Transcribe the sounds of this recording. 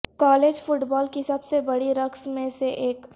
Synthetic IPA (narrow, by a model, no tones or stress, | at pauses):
kaːleːd͡ʒfʊʈbɔːlkisɐbsebɐɽiɾɐksmẽseʔeːk